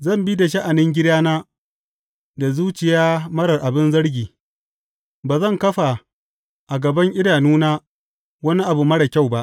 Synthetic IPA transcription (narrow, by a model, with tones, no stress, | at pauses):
zɐ˦˨mbi˦da˨ʃ̬ɐ˦ʔa˨nɪ˦ŋɡʲɪ˦daː˦naː˦ | da˨zuː˦t͡ʃɪ˨jaː˦mɐ˦ɽɐ˨rʔa˨bɪ˦nzɐ˦ɽɡʲiː˨ | baː˨zɐ˦˨ŋkɐ˦ɸa˨ | ʔa˨ɡɐ˨bɐ˦ŋʔɪ˦daː˨nuː˦naː˦ | wɐ˦ni˦ʔa˨bu˨mɐ˦ɽa˨kʲa˦˨wba˦ʔ